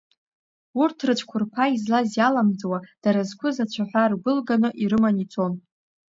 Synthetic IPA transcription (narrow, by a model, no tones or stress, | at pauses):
urtʰrɨt͡ʃʷʰkʷʰʊrpʰaizlazjalamd͡zwad̥aɾazkʷʰʊzat͡ʃʷʰaħʷarɡʷʊlɡanɨʔiɾɨmanit͡sʰʼo̞n